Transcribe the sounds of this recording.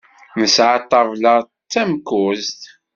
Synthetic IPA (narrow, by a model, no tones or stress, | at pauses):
nəsʕat̪ˤːɑvlə | t͡sːæmkːʊzt̪